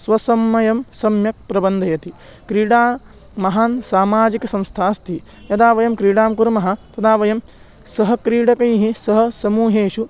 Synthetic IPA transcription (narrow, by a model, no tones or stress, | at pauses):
sʋɐsɐmːɐjɐmsɐmjɐk̚pɾɐbɐnd̪ʱɐjɐt̪i | kɾiːɽaː | mɐɦaːnsaːmaːd͡ʒikɐsɐ̃mst̪ʰaːst̪ʰi | jɐd̪aːʋɐjɐmkɾiːɽaːmkuɾɐmɐɦɐ̆t̪ɐd̪aːʋɐjɐm | sɐɦɐ̆kɾiːɽɐkɐjɦisɐɦɐ̆sɐmuːɦeːʃu